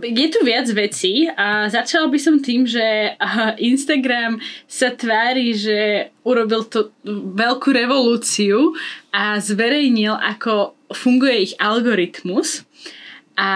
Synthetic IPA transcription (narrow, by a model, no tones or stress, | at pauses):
jɛt̪uʋɪad͡zʋɛt͡siːzat͡ʃalbisɔmt̪iːmʒɛʔinst̪aɡɾamsat̪ʋaːɾiːʒɛuɾɔbilt̪ɔʋɛlkuːɾɛʋɔluːt͡siuʔazʋɛɾɛjɲilʔa̰kɔfuŋɡujɛiɣalɡɔɾit̪mus | ʔa